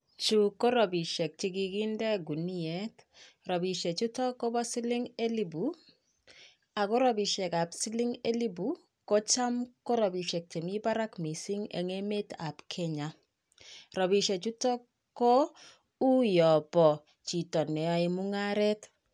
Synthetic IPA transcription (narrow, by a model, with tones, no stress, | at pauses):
t͡ʃu˨ko˦ɾɔ˨bi˨ʃɛ˨k̚t͡ʃi˦ɡi˦ɡi˦ndɛ˦ɡu˨ni˦ɛ˨˦t | ɾɔ˨bi˨ʃe˨t͡ʃu˦tɔ˦ko˦bɔ˦sɪ˦lɪ˦ŋe˦li˨bu˨ | a˨ko˦ɾɔ˦bi˨ʃɛ˨ka˨psi˦lɪ˦ŋe˦li˦bu˨˦ | ko˦t͡ʃa˦mko˦ɾɔ˨bi˨ʃɛ˨k̚t͡ʃe˨mi˦ba˦ɾa˦kmi˨si˦ŋḛ˨ŋe˦me˦ta˨pkʰɛ˦ɲa˨ | ɾɔ˨bi˨ʃe˨t͡ʃu˦tɔ˦ | ko˦ | u˦jɔ˨bɔ˨ | t͡ʃi˨tɔ˨nɛ˨ɔ˦i˨mu˦ŋa˦ɾɛ˦t